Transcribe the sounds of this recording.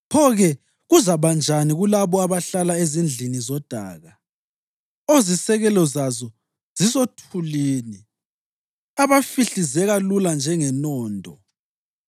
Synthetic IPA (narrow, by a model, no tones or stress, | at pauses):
pʰɔɣɛ | ɣuzaβand͡ʒʱaniɣulaβɔaβaɬalaezind͡ɮʱinizɔd̥ʱa̰ːɣa | ozisɛɣɛlɔzazɔ | z̥isotʰuliːni | aβafiɬizɛɣaluland͡ʒʱɛŋɛnɔːndʱɔ